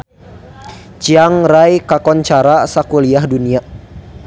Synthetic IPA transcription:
t͡ʃiaŋɾajkakɔnt͡ʃaɾasakuliahdunia

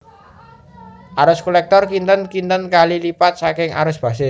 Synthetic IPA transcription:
ʔaɾʊskulɛk̚t̪ɔrkint̪ənkint̪ənkalilipat̪̚sakɪŋʔa̰ɾʊsb̥ä̤sɪs

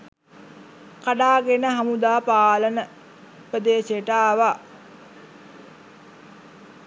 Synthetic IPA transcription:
kaɖaːɡenəɦamud̪aːpaːlənə | pəd̪eːseəʈəaʋa

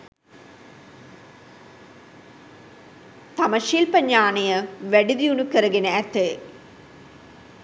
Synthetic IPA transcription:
t̪ɐmɐʃiːlpɐɲːaːnejəʋæɖid̪iunukəɾɐɡenəæt̪ːe

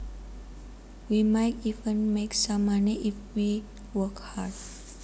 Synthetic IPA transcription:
ʋimaɪʈiʋə̃nmeksamaniʔifʋi | ʋəkhaɾɖ

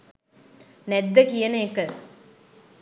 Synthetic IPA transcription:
nɛd̪ːəkijəneːkə

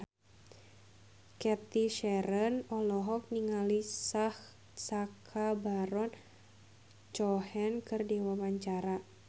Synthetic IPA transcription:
kɛt̪iʃɛɾənɔlɔɦɔk̚niŋalisah | sakʰabaɾɔn | t͡ʃɔhɛnkɨrdiwamaɲt͡ʃaɾa

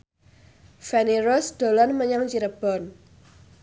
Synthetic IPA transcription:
fɛniɾɔsd̪̥o̤lɔnməɲaŋt͡ʃiɾəb̥ɔ̤n

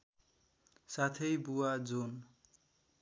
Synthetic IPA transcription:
sat̪ʰʌjbuwad͡zun

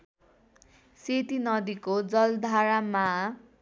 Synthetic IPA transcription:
set̪inʌd̪ikod͡zʌld̪ʱaɾama

